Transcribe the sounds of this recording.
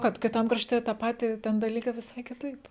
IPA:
ˈkɐt kʲɪˈtɐm krɐʃʲˈtʲɛ tɑː ˈpɑːtʲiː ˈtʲɛn dɐˈlʲiːkɐɪ ʋʲɪˈsɐɪ kʲɪˈtɐɪp

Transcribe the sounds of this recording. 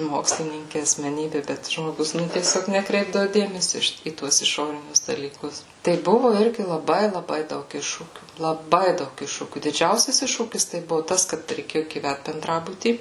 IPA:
ˈmoːksʲlʲɪnʲɪŋʲkʲɪ ɐsʲmʲɛˈnʲiːbʲɪ bʲɛt ʒmoːˈɡʊs nʊ tʲiɛˈsʲoːk nʲɛˈkrʲɛɪbdɐʋʊ ˈdʲeːmʲɛsʲoː ɪ ˈʃʲɪt iː ˈtuɔs ɪˈʃoːrʲɪnʲʊs dɐlʲiːˈkʊs tɐɪ ˈbʊʋʊ ˈɪrʲɡʲɪ lˠɐˈbɐɪ lˠɐˈbɐɪ ˈdɐʊk ˈɪʃʃuːkʲuː lˠɐˈbɐɪ ˈdɐʊk ˈɪʃʃuːkʲuː dʲɪˈd͡ʒʲɛʊsʲɛs ˈɪʃʃuːkʲɪs tɐɪ ˈbʊʋʊ ˈtɐs kɐt rʲɛɪˈkʲeːjoː ɡʲiːˈʋʲæt bʲɛnˈdrɑːbʊtʲiː

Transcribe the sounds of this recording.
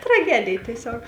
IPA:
trɐˈɡʲæːdʲeːj tʲiɛˈsʲoːk

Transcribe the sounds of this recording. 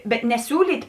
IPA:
bʲɛt nʲɛˈsʲuːlʲiːtʲ

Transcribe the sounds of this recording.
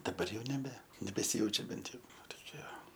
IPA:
dɐˈbɐr ˈjɛʊ nʲɛˈbʲɛ nʲɛbʲɛsʲɪˈjɛʊt͡ʃʲɛ ˈbʲɛnt ˈjɛʊ ˈʋɐ toːˈkʲiɛ

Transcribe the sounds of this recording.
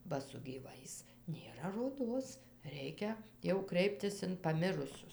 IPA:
bɐ sʊ ɡʲiːˈʋɐɪs nʲeːˈrɐ roːˈdoːs ˈrʲɛɪkʲɛ jɛʊ ˈkrʲɛɪpʲtʲɪs ɪn pɐˈmʲɪrʊsʲʊs

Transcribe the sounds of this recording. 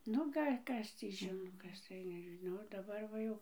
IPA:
ˈnʊ ˈɡɐlʲ ˈkɐs tʲiː ˈʒʲɪnoː ˈkɐs tɐɪ nʲɛʒʲɪˈnɐʊ dɐˈbɐr ʋɐ ˈjɛʊ

